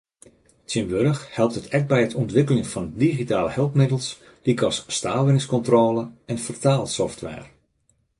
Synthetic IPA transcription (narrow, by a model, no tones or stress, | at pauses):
tʰjɪmʋørəxhɛlˠp̚tətʰɛk̚bɛjətʰɔntʋɪkələŋfɔndiɣitaːləhɛlˠpmɪdəlˠs | dikɔsːtaːlˠʋɪnɪŋskɔntroːləɛnfərtaːlˠsɔftʋɛ̰ːr